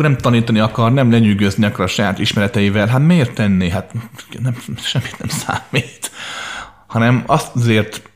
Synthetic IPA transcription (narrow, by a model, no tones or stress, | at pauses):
nɛmt̪ɒniːt̪ɒniɒkɒrnɛmlɛɲyːɡøzniɒkɔɾɒʃɒjaːt̪iʃmɛɾɛt̪ɛjivɛlɦat̪meːrt̪ːɛnːiɦat̪nɛmʃɛmːit̪nɛmsa̰ːmːiːt̪ | hɒnɛmɒszeːrt̪